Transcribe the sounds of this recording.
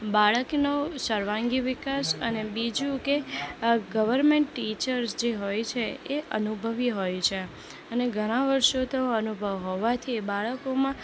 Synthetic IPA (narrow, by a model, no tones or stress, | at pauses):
baɭəknosəɾʋãŋɡiʋɪkasənebid͡ʒũke | ɡəʋəɾmeɳʈːit͡ʃəɾsd͡ʒeɦojt͡ʃʰeeʔənubʱəʋiɦojt͡ʃʰe | əneɡʱəɽ̃ãʋəɾʃot̪oənubʱəʋɦoʋat̪ʰibaɭəkomã